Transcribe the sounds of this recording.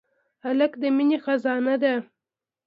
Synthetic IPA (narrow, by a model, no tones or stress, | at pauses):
halakd̪əminexazɑnad̪a